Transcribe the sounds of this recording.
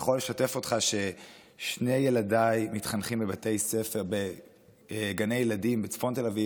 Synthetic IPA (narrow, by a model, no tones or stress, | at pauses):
χo̞lːe̞ʃate̞fo̞tχaʃe̞ | ʃne̞jeladajmitχanχimbebate̞jse̞fe̞ʁbe | ɡane̞jeladimbet͡sfo̞nte̞lavi